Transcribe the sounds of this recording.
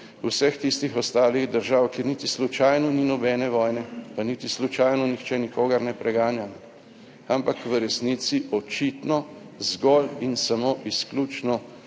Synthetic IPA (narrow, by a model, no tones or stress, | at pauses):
uwsɛxt̪ist̪ixɔst̪aːliɣd̪əɾʒawkiːɾnit̪islut͡ʃajnɔninɔbɛːnɛʋɔːjnɛpanit̪islut͡ʃajnɔnixt͡ʃɛnikoːɡɐɾnɛpɾʔɛɡaːnjamɔ | ampakʋəɾɛsnit̪siʔɔt͡ʃit̪nɔ | zɡɔlinsamoʔisklʲuːt͡ʃnɔ